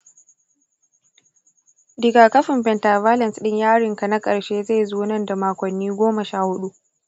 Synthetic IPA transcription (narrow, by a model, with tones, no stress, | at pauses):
dɪ˨ɡaː˨kɐ˦ɸɪ˨mɸɛ˨ntɐ˨vaː˦lɐ˨nsɗɪ˦ɲjaː˦ɽɪ˨ŋka˨na˦kʼɐ˨ɽʃeː˦za˦˨zuː˦nɐ˦˨nda˨maː˨kʷɐ˨nːiː˦ɡʷoː˦mɐ˨ʃaː˦˨hʊ˦ɗu˦ʔ